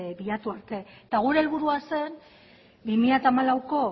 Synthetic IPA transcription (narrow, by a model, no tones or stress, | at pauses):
biʎat̪uaɾt̪e̞t̪aɣ̞uɾe̞ːlβuɾuase̞n | bimiʎat̪aːmalawko̞